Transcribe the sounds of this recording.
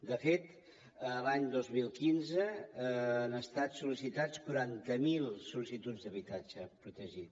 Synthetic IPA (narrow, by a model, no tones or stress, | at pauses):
d̪əfet̪ | əlaɲd̪ozmilˠkinzəː | nəst̪at̪sulisit̪at͡skuɾant̪əmilˠsulisit̪ud͡zd̪əβit̪ad͡ʒəpɾut̪əʒit̪